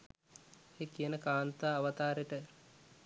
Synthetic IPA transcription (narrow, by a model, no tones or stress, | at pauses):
eːkijənəkaːnt̪aːʋət̪aːɾeʈə